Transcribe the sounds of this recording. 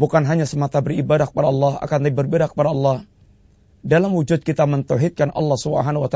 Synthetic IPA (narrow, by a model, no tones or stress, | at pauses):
bukanɦaɲasəmat̪abəribadakə̥padalːɑha̰kanlibərbedakə̥padaɑlːɑh | dalamwud͡ʒʊt̪̚kit̪amənt̪oɦit̪̚kanɑ̰lːɑhsubə̰ɦanawat̪a